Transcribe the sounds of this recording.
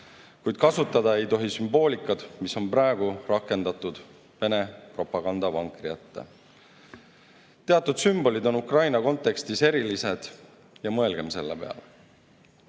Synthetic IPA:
kujd̪̥̚kɑsut̪ːˑɑd̪̥ɑe̞jt̪o̞ɦisymbo̞ːlʲikːˑɑd̪̥miso̞nprɑeɡ̥urɑkːˑe̞nd̪̥ɑt̪ːˑud̪̥ | ve̞ne̞pro̞pːˑɑɡ̥ɑnd̪ɑvɑŋkrijɑt̪ːḛ | t̪e̞ɑt̪ːˑud̪̥symb̥o̞lid̪o̞nukrɑjnɑko̞nt̪ːˑe̞kst̪ise̞ɾilise̞d̪̥ | jɑmɤe̞lɡ̥e̞mse̞lːepe̞̰ɑ̰le

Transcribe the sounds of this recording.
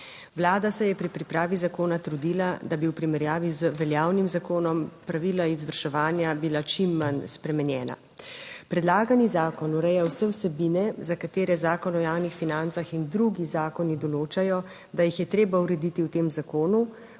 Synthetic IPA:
ʋlaːd̪asɛjɛpɾipɾipɾaːʋizakoːnat̪ɾud̪ilad̪abiwpɾimɛɾjaːʋizʋɛljaːwnimzakoːnɔmpɾaʋiːlaizʋəɾʃɛʋaːnjabilat͡ʃimːanspɾɛmɛnjɛːna̰ | pɾɛd̪laːɡanizaːkɔnuɾɛjawsɛwsɛbiːnɛzakat̪eːɾɛzaːkɔnɔjaːwnixfinant̪saxind̪ɾuɡizaːkɔnid̪ɔloːt͡ʃajɔ | d̪ajixjɛt̪ɾeːbauɾɛd̪it̪iwt̪eːmzakoːnu

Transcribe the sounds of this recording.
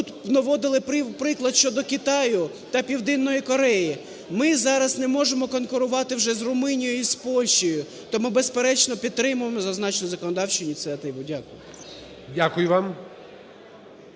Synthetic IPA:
ut̪nɐʋɔd̪ɪlˠɪpɪpɾɪklˠɐd̪ʃt͡ʃɔd̪ɔkɪt̪ɑjʊ | t̪ɐpʲiwd̪ɪnːɔjikɔɾɛji | mɪzɑɾɐsnɛmɔʒemɔkɔnkʊɾʊʋɑt̪ɪwʒɛzrʊmɪnʲijjispɔlʲʃijʊ | t̪ɔmɪbespeɾɛt͡ʃnɔpʲid̪t̪̚t̪ːɾɪmʊʋemɔzɐznɑt͡ʃnɔzɐkɔnɔd̪ɑwt͡ʃɪnʲit̪sɛt̪ɪʋʊdʲakʊjʊ | dʲakʊjʊʋɑm

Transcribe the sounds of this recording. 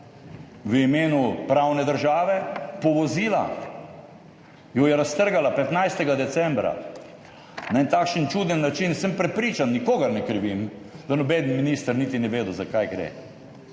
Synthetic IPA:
ʋəimeːnupɾawnɛd̪əɾʒaːʋɛpɔʋɔziːla̰ | jɔjɛɾast̪əɾɡalapɛt̪najst̪ɛɡad̪ɛt̪sɛmbɾa̰ | naɛnt̪aːkʃənt͡ʃuːd̪ɛnːat͡ʃinsəmpɾɛpɾiːt͡ʃanːikoːɡaɾnɛkɾʋimd̪anɔbɛd̪nminist̪aɾnit̪inɛʋeːd̪uzakajɡɾɛ̰ː

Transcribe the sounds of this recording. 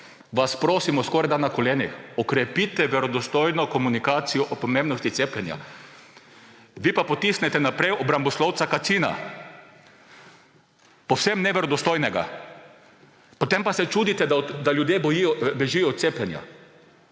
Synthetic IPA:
ʋaspɾoːsimɔskɔɾajd̪anːakɔleːnixɔkɾɛpit̪ɛʋɛɾɔd̪ɔst̪ojnɔkɔmunikaːt̪sijɔʔɔpɔmẽmbnɔst̪it̪seːplɛnja̰ | ʋipapot̪isnɛt̪ɛnapɾɛjɔbɾambɔslɔwt̪sakat̪siːna̰ | powsɛmnɛʋɛɾɔd̪ɔst̪oːjnɛɡa̰ | pot̪empasɛt͡ʃuːd̪it̪ɛd̪ad̪aljud̪jebɔjijɔbɛʒijɔɔt̪t̪seplɛnja̰

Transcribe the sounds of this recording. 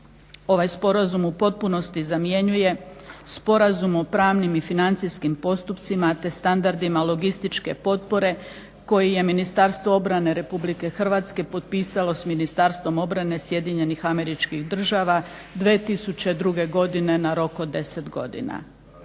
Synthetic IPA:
o̞ʋajspo̞ɾazumupo̞t̪̚puno̞st̪izamje̞ɲuje̞spo̞ɾazumo̞pɾaːʋnimifinant̪siskimpo̞st̪upt̪simat̪e̞st̪and̪aɾd̪imalˠo̞ɡist̪it͡ʃke̞̰po̞t̪po̞ɾe̞ | ko̞jije̞minist̪aɾst̪ʋo̞o̞bɾane̞ɾe̞publike̞xr̩ʋaːt̪ske̞po̞t̪̚piːsalo̞sminist̪aɾst̪ʋo̞mo̞bɾane̞sje̞d̪iɲe̞nixame̞ɾit͡ʃkixd̪r̩ʒaːʋa | d̪ʋeːt̪isut͡ɕe̞d̪ɾuɡe̞ɡo̞d̪ine̞naɾo̞kod̪e̞se̞t̪ɡo̞̰d̪ḭna̰

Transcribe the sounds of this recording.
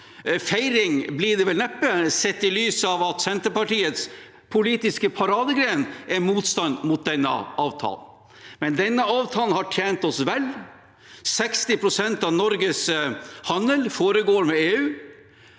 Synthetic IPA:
fæɪɾɪŋblɪɖ̪ɛʋɛlnɛpːəsɛt̪ːɪlyːsɑʋɑt̪sɛnt̪əɾpɑʈiːət̪s | pʰʊliːt̪ɪskəpʰɑɾɑːd̪əɡɾeːnɛɾmuːt̪st̪ɑnmʊt̪̚d̪ɛnːə̰ʔɑːʋt̪ʰɑ̰ːln̩ | mɛnd̪ɛnːəɑːʋt̪ʰɑːln̩hɑʈʰjeːnt̪ɔsʋɛl | sɛkst̪ɪpʰɾʊsɛnt̪ɑʋnɔɾɡəshɑnəlfoːɾəɡoːɾmɛeːʉː

